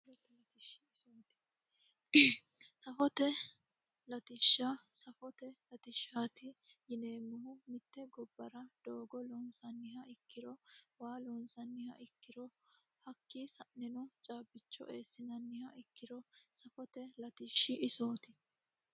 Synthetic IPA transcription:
ɛɐt̪ɪʃːɪɪsoːt̪ɪ̥ | sɐfɔt̪ɛ | lɐt̪ɪʃːasɐfɔt̪ɛlɐt̪ɪʃːaːt̪ɪjɪneːmːʊhʊmɪt̪ːɛɡɔbːɐɾɐd̪̥oːɡɔlɔnsɐnːɪhɐʔɪkːɪɾɔwaːlɔnsɐnːɪhɐ̰ʔɪkːɪɾɔ | hɐkːisɐnːɪnɔt͡ʃʼaːbːɪt͡ʃːɔ̰ʔeːsːɪnɐnːɪhɐʔɪkːɪɾɔsɐfɔt̪ɛlɐt̪ɪʃːɪʔɪsoːt̪ɪ

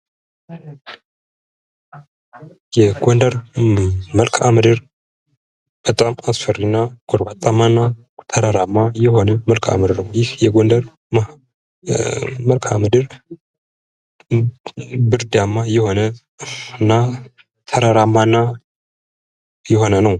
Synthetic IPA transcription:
jɛɡond̪əɾ | məlkʰʼamɨd̪ɨɾ | b̥ət̪ʼamasfərinːaɡ̥oɾbat̪ʼamːanːa | t̪ʰəɾəɾamːajɛho̞nəməlkʰʼa̰md̪ɨɾnəwjɪhjɛɡond̪əɾ | ma | məlkʰa̰mɨd̪ɨɾ | bɨɾd̪amːajɛho̞nə | nːa | t̪ʰəɾəɾamːanːa | jɛho̞nənəw

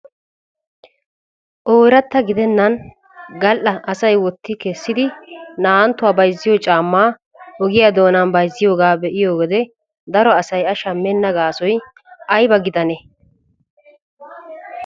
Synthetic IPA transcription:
ʔoːɾɐt̪ːɐɡɪd̪ɛnːɐn | ɡɐlʔɐʔɐsɐjwɔt̪ːɪkɛsːɪd̪ɪnaːnt̪ːʊwaːbɐjzːɪjot͡ʃʼaːmːaː | ɔɡɪjad̪o̞ːnɐnbɐjzːɪjo̞ːɡaːbɛʔɪjo̞ːɡɛd̪ɛ | d̪ɐɾɔɐsɐjɐʃɐmːɛnːɐɡaːsɔj | ʔɐjbɐɡɪd̪ɐnɛ

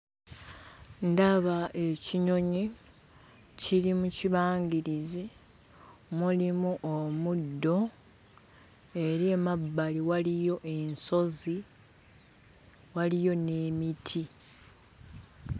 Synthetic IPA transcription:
ndaβaʔe̞ciɲo̞ɲi | ciɾimuciβaːŋɡiɾizi | mulimuʔomudːo̞ | e̞ɾe̞mabːaliwalijo̞ʔe̞nso̞zi | walijo̞ne̞ːmitʰi

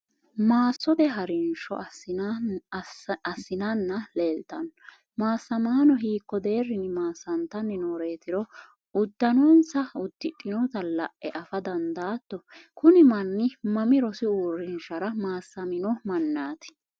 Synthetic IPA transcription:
maːsːɔd̪ɛɦɐɾɪnʃɔ̰ | ɐsːɪnɐnːɐleːlt̪ɐn | maːsːɐmaːnɔɦiːkːɔd̪e̞ːrːɪnɪmaːsːɐnt̪ɐnːɛnoːɾe̞ːt̪ɪɾɔ | ʊd̪ːɐnoːnsɐʊd̪ːɪᶑʼːɪnɔt̪ɐlɐʔʔɛʔɐfɐd̪ɐnd̪aːt̪ːɔkʊnɪmɐnːɪmɐmɪɾɔsɪuːrːɪnʃɐɾɐmaːsːɐmɪnɔmɐnːaːt̪ɪ̥

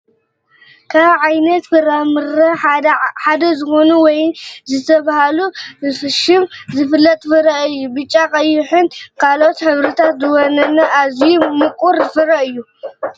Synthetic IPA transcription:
kʰaβʕajnɐt̪fɨɾamɨɾɐħad̪ɐzɨxo̞nuwɔjnzɨt̪ʰɐβahalufɨʃɪmzɨfɨlːɐt̪ʼfɨɾɐɨjːubɨt͡ʃʼːakʼɐjːʊħɨnkʰalo̞t̪ħɨβɾɨt̪ʰat̪zɨwonɐnɐʔazijumɨkʼuɾfɨɾɐɨjːu

